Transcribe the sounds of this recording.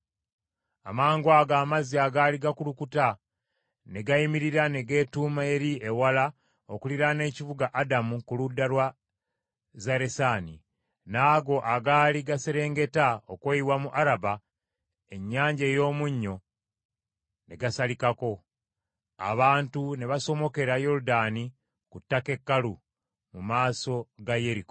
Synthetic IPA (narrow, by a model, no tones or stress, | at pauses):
a̰maːŋɡwaɡaːmaziaɡaːliɡakulukuta | ne̞ɡaimiɾiɾane̞ɡe̞ːtuːmae̞ɾiewala | okuliɾane̞ːcivuɡaʔadamukuludːalwa | zaɾe̞saːnḭ | naːɡo̞ʔaɡaːliɡaseɾe̞ːŋɡe̞taokweiwamuʔaɾaba | e̞ɲːaːɲɟejo̞ːmuɲːo̞ | neɡasalikako̞ | a̰βaːntune̞βaso̞mo̞ke̞ɾajo̞ɾudani | kutːake̞kːalu | mumaːso̞ɡaje̞ɾiko̥